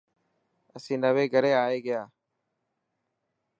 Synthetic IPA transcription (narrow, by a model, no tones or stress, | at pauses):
əsĩːnəʋeːɡʱəɾeːaːeːɡəjaː